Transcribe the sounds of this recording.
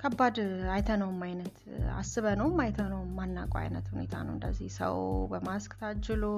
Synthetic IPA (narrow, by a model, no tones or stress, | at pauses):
kʰəbːad̪ajt̪ʰənəwmajnət̪ | a̰sːɨβənəwmajt̪ʰənəwmːanːa̰kʼa̰jnə̰t̪hune̞̰t̪ʰa̰nə̰wɨnd̪ə̰zːihsə̰wbəmaskʼt̪ʰad͡ʒːɪlo